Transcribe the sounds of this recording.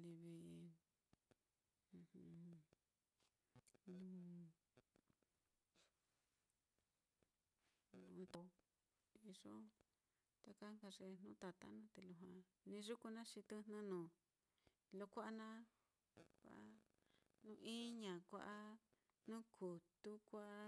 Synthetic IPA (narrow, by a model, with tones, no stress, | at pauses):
li˧βi˧ | h | nũ˦ | nũ˧nd̪o˧ | i˧ʐo˦ | t̪a˧ka˦ŋka˧ʐe˧n̥ũ˦t̪a˨t̪a̰˦nũ˦t̪e˨lu˧ɦã˧ | nĩ˧ʐu˦ku˧nã˦ʃĩ˧t̪ɨ˧nã˦nũː˨ | lo˧kʷa˦ʔa˦nã˦ | kʷa̰˧˨ʔa˦ | nũ˧˦ʔĩ˦ɲã˨kʷa̰˧˦ʔa˦ | nũ˦kʰu˨t̪u˦kʷa˦ʔa˦